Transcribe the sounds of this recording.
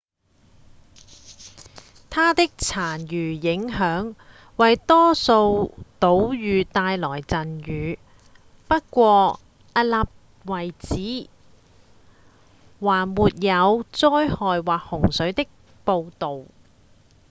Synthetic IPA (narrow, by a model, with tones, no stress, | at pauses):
t̪ʰaː˥t̪ɪ˥k̚t͡sʰaː˨˩njyː˨˩jɪ˨˥ŋɦœː˨˥ŋ | wɐ˨jt̪ɔː˥so˧wt̪o˨˥wjyː˨˧t̪aː˧jlɔː˨˩jt͡sɐ˨njyː˨˧ | pɐ˥t̚kʷɔː˧ | ɐ˧laː˨p̚ | wɐ˨˩jt͡siː˨˥ | waː˨˩nmuː˨t̚jɐ˨˧wt͡sɔː˥jhɔː˨jwaː˨k̚hʊ˨˩ŋsɵ˨˥ɥt̪ɪ˥k̚ | po˧wt̪o˨w